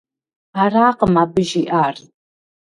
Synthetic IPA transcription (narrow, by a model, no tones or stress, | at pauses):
araːqəmaːbɨʒiʔaːr